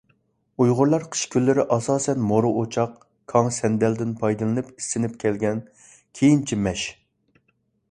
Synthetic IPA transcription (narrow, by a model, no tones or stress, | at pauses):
ujʁʊɾlˠɑɾqʰə̥ʃkʲʰylːɪɾɪʔɑsɑːsɛnmoɾɨʔot͡ʃʰɑq | kʰɑŋsɛnd̪ɛld̪ɪnpʰɑjd̪ɨlˠɨnɨpisːɪnɪp̚kʲʰɛlɡʲɛn | kʲʰejint͡ʃʰimɛʃ